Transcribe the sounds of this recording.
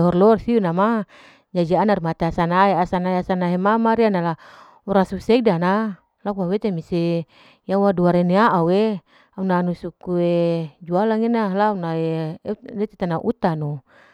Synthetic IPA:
ɦɔrlɔrsiunama | d͡ʒad͡ʒianarmat̪easanaɦeasanaeasanaɦemamaɾianala | uɾasusɛdana | lakuawet̪emise | jawaduaɾeneaʔawe | aunanusukued͡ʒualaŋinalaunaedɛt̪et̪anaʔut̪anu

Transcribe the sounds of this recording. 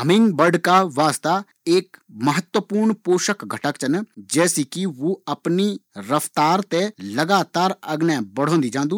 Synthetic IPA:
ɦəmɪ̃ŋɡbəɖkaʋaːst̪a | eːkməɦət̪wəpuːɾɳpoːʃəkɡʱəʈəkt͡ʃənd͡ʒɛːsikiʋoɐpniɾəft̪aːɾt̪eləɡaːt̪aːɾɐɡnɛːbəɽ̤õːnd̪id͡ʒãːnd̪uː

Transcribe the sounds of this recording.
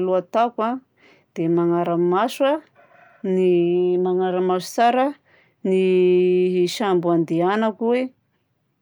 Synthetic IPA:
luat̪aka | d̪̥emaŋaɾamaswa | nimaŋaɾamaʃu̥t͡saɾa | ni | ʃambuand̪eanakuwe

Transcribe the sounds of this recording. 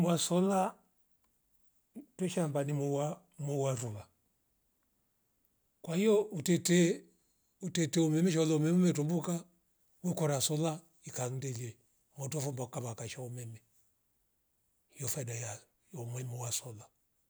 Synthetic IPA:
mwasɔla | twɛʃambanimuwa | mɔwaɾula | kwahijɔutɛtɛ | utɛtɛɔmɛmɛʃ̬ɔlɔɔmɛmumɛtɔmbuka | wɛkɔɾasɔla | ikaŋ̩dɛliɛ | mɔtɔfɔmbakaβakaʃaɔmɛmɛ | jɔfadaja | ɔmwɛmɔwasɔla

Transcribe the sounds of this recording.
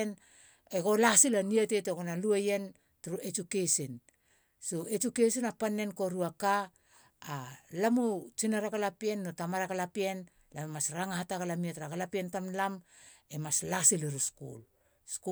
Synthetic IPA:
n | eɡolasilanieteteɡonaluejen | tuɾuet͡ʃukesin | soet͡ʃukesinapanːenkoɾuakaː | lamut͡ʃinaɾakalapienːotamaɾakalapien | lamemasɾaŋahatakalamietɾakalapientamlam | emaslasileɾuskṵl | sku

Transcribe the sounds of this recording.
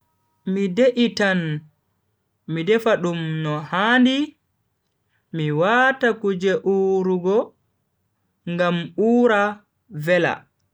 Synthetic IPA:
mideʔitan | midɛfaɗumnɔhaːndi | miwaːtakud͡ʒɛʔuɾuɡɔ | ŋɡamuːɾa | vɛla̰

